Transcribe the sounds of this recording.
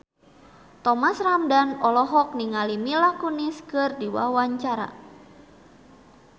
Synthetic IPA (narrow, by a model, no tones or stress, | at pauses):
t̪ɔmasramdanɔlɔɦɔk̚niŋalimilakuniskɨrdiwa̰waɲt͡ʃaɾa̰